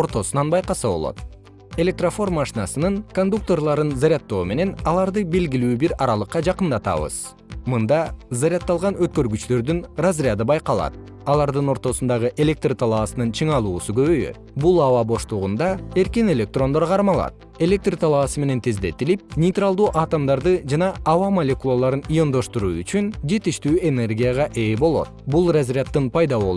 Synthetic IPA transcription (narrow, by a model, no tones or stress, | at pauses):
oɾt̪o̞sunɑnbɑjqɑsɯβo̞lˠo̰t̪̚ | e̞lʲe̞k̚t̪rofo̞rmaʃinɑsɯnɯŋko̞nd̪uk̚t̪o̞rlˠɑɾɯnzaɾʲat̪ːo̞ːme̞ne̞nɑlˠɑɾd̪ɯbe̞lɡilyːbiɾɑɾɑlˠɯqːɑd͡ʒɑqɯnd̪ɑt̪ɑ̰βɯ̰z̥ | mɯnd̪ɑzaɾʲat̪ːɑlˠʁɑnøt̪kø̞ɾɡyt͡ʃt̪ø̞ɾd̪ynrazɾɪad̪ɯbɑjqɑlˠɑ̰t̪̚ | ɑlˠɑɾd̪ɯno̞ɾt̪o̞sund̪ɑʁɯʔe̞lʲe̞k̚t̪rt̪ʰɑlˠɑːsɯnɯnt͡ʃʰɯɴɑlˠuːsuɡø̞βø̞jø̰t̪̚bulˠɑvɑbo̞ʃlˠuʁund̪ɑe̞ɾkine̞lʲe̞k̚t̪ro̞nd̪oɾqʰɑɾmɑlˠɑ̰t̪̚ | e̞lʲe̞k̚t̪rt̪ʰɑlˠɑːsɯme̞ne̞nt̪ʰe̞zd̪e̞t̪ilip̚nʲejt̪ralˠd̪uːʔɑt̪omd̪ɑɾd̪ɯd͡ʒɑnɑːvɑmolʲe̞kulˠolˠɑɾɯnijo̞nd̪o̞ʃt̪uɾuːyt͡ʃynd͡ʒe̞t̪iʃt̪yːʔe̞ne̞rɡʲijaʁɑʔe̞ːbo̞lˠo̞̰t̪̚bulˠrazrʲɪat̪ːɯnpʰɑjd̪ɑβo̞lˠ